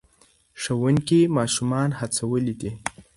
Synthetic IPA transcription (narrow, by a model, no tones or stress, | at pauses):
ʂəwəŋkimɑʃumɑnhat͡sawəlid̪i